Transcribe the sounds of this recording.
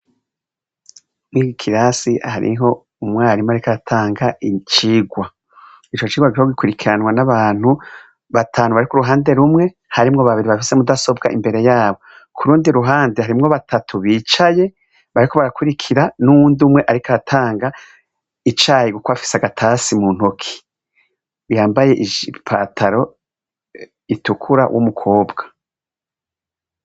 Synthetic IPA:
mwiɡikʰiɾasiha̰ɾḭɦo̞ | umŋwaːɾimoaɾikaɾatʰaːŋɡait͡ʃiːɡwa | it͡ʃot͡ʃiːɡwaɡiɾihoɡikuɾikʰiɾanŋwanaβaːn̥hu | βatʰaːnuβaɾikuɾuɦaːnde̞ɾumŋe̞ | haɾimŋo̞βaβiɾiβafisemudaso̞bɡa̰ʔḭmbe̞ɾe̞jaːβo̞ | kʰuɾuːndiɾuɦaːndehaɾimŋo̞βatʰatʰuβit͡ʃaje̞ | βaɾikʰo̞βaɾakuɾikʰiɾanumuːndumŋe̞ʔaɾikaatʰaːŋɡa | it͡ʃajiɡukoβafi̥seaɡatʰasimun̥hokʰi̥ | jaːmbaje̞ʔiʒipʰatʰaɾo̞ | itukʰuɾa̰wʔṵmukʰoːbɡ̥ḁ

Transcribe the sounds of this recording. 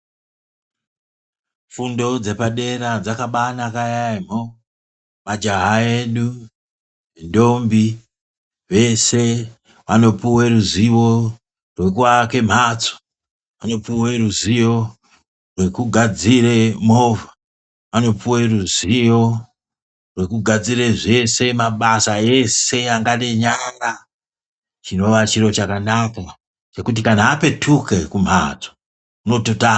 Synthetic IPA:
fundo̞d͡ze̞paɗe̞ɾad͡zakaɓanakajaim̤o | mad͡ʒaɦaeɗu | ʋendo̞mbi | ʋe̞se | ʋano̞puweɾuziwo̞ | rwekuwake̞m̤at͡so̥ | ʋano̞puweruzijo̞ | rwe̞kuɡʱad͡ziremova | ʋano̞puweruzijo̞ | rwe̞kuɡʱad͡zireʐe̞se̞maɓasae̞se̞aŋɡane̞ɲaŋɡa | t͡ʃino̞ʋat͡ʃiɾo̞t͡ʃakanaka | t͡ʃe̞kut̬ikanaːpe̞tʰuke̞kum̤at͡so̥ | uno̞tota

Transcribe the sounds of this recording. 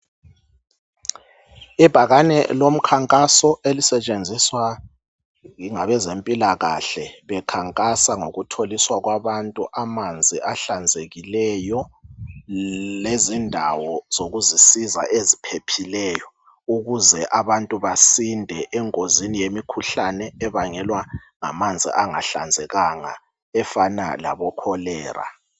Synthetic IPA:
ib̥ʱaɣanɛ̰lom̩kʰaŋkʼasɔʔelisɛt͡ʃʼend͡zʱiswa | ɣiŋaβɛzempʼilaɣa̰ɬɛβɛkʰaŋkʼasaŋoɣutʰoliswaɣwaβantʼuʔamand͡zʱiʔaɬand͡zʱeɣilɛjɔ | lezindʱawɔz̥oɣuzisiza̰ʔezipʰepʰilɛːjɔ | uɣuzɛʔaβantʼuβasindʱɛʔɛŋkʼozinijemikʰuɬanɛɛβaŋɛlwaŋa̰mand͡zʱḭʔaŋa̰ɬa̰nd͡zʱɛɣaŋa̰ | ɛfana̰la̰βɔkʰɔlɛːra̰

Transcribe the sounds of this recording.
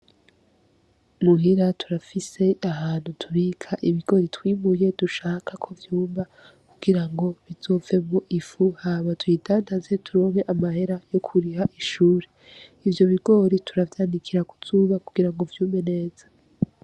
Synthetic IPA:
muɦiɾatʰuɾafise̞aɦaːn̥hutʰuɾikʰaʔiβiɡo̞ɾitwiːmuje̞duʃaːkakʰo̞vjuːmba | kuɡ̥iɾaŋɡo̞βizo̞ːve̞muʔifuhaβatwidaːndazetʰuɾo̞ːŋeʔamahe̞ɾajo̞kʰuɾihaʔiʃuːɾe | ivjo̞βiɡo̞ɾitʰuɾavjaːndikʰiɾaku̥z̥uβakuɡ̥iɾaŋɡo̞vjuːmbene̞ːz̥ḁ

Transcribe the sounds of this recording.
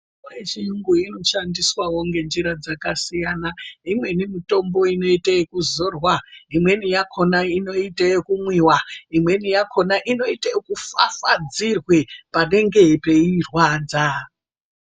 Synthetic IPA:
aet͡ʃijuŋɡuino̞ʃandiswawoŋɡe̞nd͡ʒiɾad͡zakasijanaimwe̞nimito̞mbo̞ino̞itajekuzo̞rwaimwe̞nijakʰo̞naino̞itajekumwiwaimwe̞nijakʰo̞naʔino̞itajokufafad͡zirwepane̞ŋɡe̞pe̞irwaːd͡za

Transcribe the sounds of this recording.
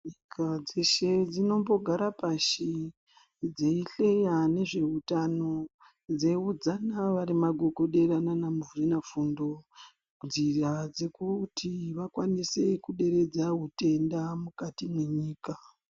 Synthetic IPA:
ɲikʰad͡zeʃe̞d͡zino̞mbo̞ɡʱaɾapaʃi | d͡zeiɬe̞jane̞ʐe̞utano̞ | d͡ze̞ud͡zanaʋaɾimaɡʱo̞ɡʱo̞ɗe̞ɾananamuvurinafundo̞ | nzirad͡ze̞kutʰiʋakwanise̞kuɗe̞ɾe̞d͡zaɦute̞ndamukatimwe̞ɲiːka

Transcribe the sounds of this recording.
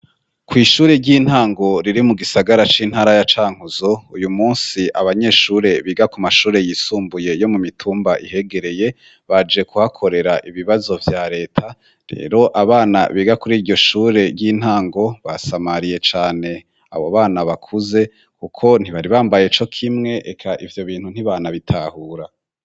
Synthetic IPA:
kwiːʃuːɾe̞ɾɟiːn̥haːŋɡo̞ɾiɾimuɡisaɡaɾat͡ʃiːn̥haːɾajat͡ʃaːŋ̥huzoujumuːnsiʔaβaɲe̞ːʃuːɾe̞βiːɡakumaʃuːɾe̞jiːsuːmbuje̞jo̞mumitʰuːmbaʔḭhe̞ɡe̞ɾe̞je̞ | βad͡ʒe̞kuhakʰo̞ɾe̞ɾaʔiβiβazo̞vjaɾe̞ːtʰa | ɾe̞̰ːɾo̞ʔaβaːna̰βiːɡakuɾiːɾɟo̞ʃuːɾe̞ɾɟiːn̥haːŋɡo̞βasamaɾije̞t͡ʃaːne̞ | a̰βoβaːnaβakʰuze̞ | kukʰo̞n̥iβaɾiβaːmbaje̞t͡ʃo̞kʰimŋe̞ʔekʰaʔivjo̞βiːn̥hun̥iβaːnaβitʰahuɾa

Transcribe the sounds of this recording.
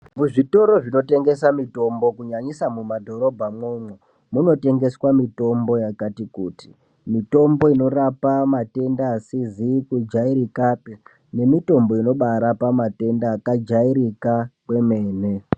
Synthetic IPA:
muʐito̞ɾo̞ʐino̞te̞ŋɡe̞samito̞mbo̞kuɲaɲisamumadʱo̞ɾo̞bʱamwomwe | muno̞te̞ŋɡe̞swamito̞mbo̞jakatikuːti | mito̞mbo̞ino̞ɾapamate̞ndaːsizikud͡ʒaiɾikape | ne̞mito̞mbo̞ino̞ɓaɾapamate̞ndaːkad͡ʒaiɾikakwe̞me̞ːne

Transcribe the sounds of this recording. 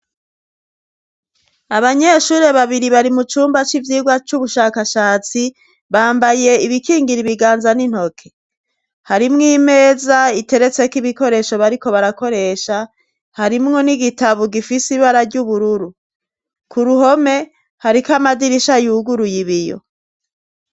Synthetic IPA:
aβaɲe̞ʃuːɾe̞βaβiɾiβaɾimut͡ʃuːmbat͡ʃivjiːɡwat͡ʃuβuʃaːkaʃaːt͡si | βaːmbaje̞iβikiːŋɡiɾiβiɡaːnzanin̥ho̞kʰe̞̥ | haɾimŋiːme̞ːzaite̞ɾe̞t͡se̞kiβiko̞ɾe̞ʃo̞βaɾiko̞βaɾako̞ɾe̞ʃa | haɾimŋo̞niɡitaβoɡifisiβaɾaɾɟuβuɾuɾu | kuɾuho̞me̞ | haɾikamadiɾiʃajuɡuɾujiβijo̞̰

